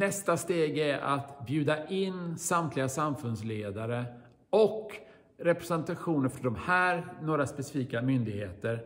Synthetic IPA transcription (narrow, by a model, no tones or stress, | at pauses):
nɛst̪ast̪eːɡæɾʔa̰t̪bjʉ̟ːd̪aʔɪnːsamt̪ʰlɪɡasamfɵnsleːd̪aɾə | ɔk | ɾɛpɾɛsɛnt̪aɧuːnəɾfɾɔɖɔmhæːɾnoːɾaspɛsɪ̥fiːkamʏnd̪ɪɡheːt̪əɾ